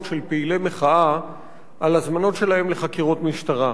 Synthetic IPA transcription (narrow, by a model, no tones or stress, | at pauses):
tʃe̞lpeile̞meχaa | alazmano̞tʃe̞laɦe̞mleχakiʁot̪miʃtaʁa